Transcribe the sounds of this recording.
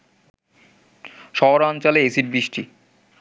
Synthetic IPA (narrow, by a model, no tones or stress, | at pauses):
ʃɔɦoɾant͡ɕaleesiʈ̚biʃʈʰi